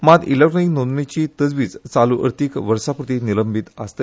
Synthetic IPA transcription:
mad̪iləʈnəinonmit͡ɕiːt̪əd͡zʋiːd͡zt͡saluʔə̰ɾt̪ikʋəɾsapɾut̪iniləmbʱit̪ə̰st̪e

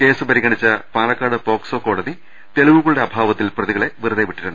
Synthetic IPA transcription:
ke̞ːsɨpɐɾiɣɐɳit͡ɕːɐpaːlɐkːaːɽɨpo̞ːksoːko̞ːɽɐði | t̪e̞liʋuɣɐɭuɽe̞ɐbʱaːʋɐt̪ːilprɐðiɣɐɭe̞ʋirɐðeʋiʈːiɾunːɨ

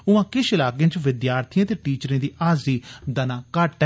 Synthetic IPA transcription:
ʊãːkɪʃɪlaːɡjẽːt͡ʃʋɪd̪jaːɾt̪ʰijãːt̪eːʈiːt͡ʃəɾẽːd̪iːʔaːziːd̪ənãːkaːʈː

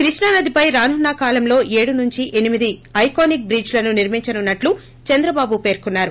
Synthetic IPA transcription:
kɾiʂɳɐnɐd̪ipɐjɾaːnunːakaːlɐmlo̞ːʔe̞ːɽunuɲt͡ʃiʔe̞nimid̪iɐjkoːnik̚bɾiːd͡ʒlɐnuniɾmiɲt͡ʃɐnunːɐʈlu | t͡ʃɛnd̪ɾɐbaːbupe̞ːɾkunːaːɾu

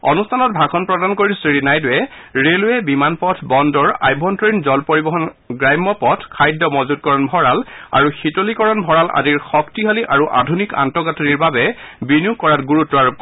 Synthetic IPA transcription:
ɔ̰nustʰanɔt̚bʱakʰɔnpɹɔdankoɹisiɹinajdʊɛɹelʊɛbimanpɔtʰbɔndɔɹa̰jbʱɔntɔɹinzɔlpoɹibɔɦɔn | ɡɹajmːɔpɔtʰkʰajdːɔmɔzud̚kɔɹɔnbʱɔɹala̰ɹuxitolikɔɹɔnbʱɔɹalʔa̰diɹxɔktiɦaliʔaɹuʔa̰dʱunika̰ntɔɡatʰɔniɹbabɛ | binijukkːɔɹatɡuɹutɹɔaɹ

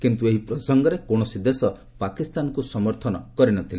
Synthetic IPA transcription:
kint̪ueɦipɾɔsɔŋɡɔɾekoɽ̃ɔsid̪esɔ | pakist̪anɔkusɔmɔɾt̪ʰɔnɔkɔɾinɔt̪ʰile

